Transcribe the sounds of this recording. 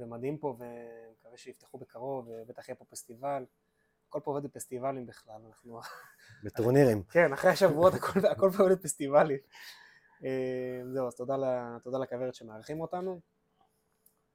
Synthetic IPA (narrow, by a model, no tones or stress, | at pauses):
vemad̪himpo̞vemekaveʃeift̪eχubekaʁo̞vebe̞t̪aχjepo̞fest̪ival | ako̞lpooved̪bfest̪ivalimbiχlalanaχnu | bet̪uʁniʁimke̞naχʁeaʃavuo̞t̪akolako̞lpooved̪fest̪ivalim | emzeuaz̥t̪od̪alat̪od̪alakaveʁet̪ʃemeaʁχimo̞t̪anu